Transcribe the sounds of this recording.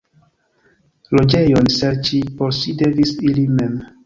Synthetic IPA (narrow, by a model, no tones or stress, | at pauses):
lod͡ʒejonsɛɾt͡ʃiposidevisilimɛm